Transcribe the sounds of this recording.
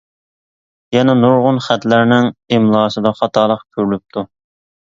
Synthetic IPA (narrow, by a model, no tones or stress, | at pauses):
jɛnɛnuɾʁʊnχæt̪læɾnɪŋemlˠɑːsɨd̪ɑχɑt̪ʰɑːlˠəqkʲʰøɾlyp̚t̪ʰu